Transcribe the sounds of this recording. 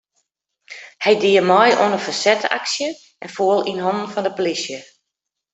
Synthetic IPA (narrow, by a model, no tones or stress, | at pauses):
hɛjdiəmɔjʔo̰ənəfasɛta̰ksjə | ɛnfoːəlˠinɦɔnn̩fɔndəpolisjə